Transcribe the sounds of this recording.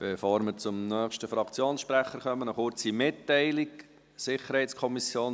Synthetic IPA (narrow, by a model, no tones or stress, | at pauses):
b̥efoːɾməɾt͡sʊmnœːχʃtəfɾɑkt͡sjoːnsʃpɾæχːəɾχœmənəχʊɾt͡simɪtːɛɪliɡ | sɪχəɾhɛɪtt͡skʰɔmisjoːn